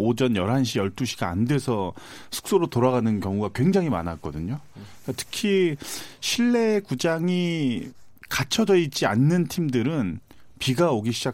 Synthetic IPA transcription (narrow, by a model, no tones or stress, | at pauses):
od͡ʑʌnjʌɾɦanɕ̬ʰijʌɭt͈uɕʰiɡa̰ːndwe̞sʰʌ | sʰu̥k̚s͈oɾotoɾaɣanɯnkjʌŋuɡakwe̞ŋd͡ʑaŋɦima̰nak͈ʌdɯɲo | katʰɯ̥kʰiɕʰiɭːe̞kud͡ʑaŋi | kat͡ɕʰʌd͡ʑʌid͡ʑianːɯntʰimdɯɾɯn | piɡaoɡiɕʰid͡ʑa